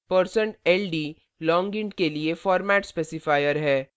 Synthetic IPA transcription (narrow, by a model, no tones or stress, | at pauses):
pəɾsə̃ɳʈɛːlɖiː | lɔ̃ːŋɡɪ̃ɳɖkeliefɔːɾmɛːʈspeːsɪfaːɪjəɾɦɛː